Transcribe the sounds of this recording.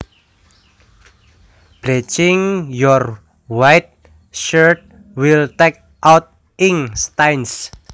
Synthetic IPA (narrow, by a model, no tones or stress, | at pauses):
b̥let͡ʃɪŋjɔr | wajt̪̚ | ʃərt̪̚ | wilt̪ɛk̚ | ʔawt̪̚ | ɪŋst̪ajns